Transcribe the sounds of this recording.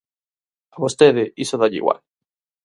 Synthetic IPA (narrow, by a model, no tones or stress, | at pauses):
aβost̪eðɪisoðaʎḭɣwa̰l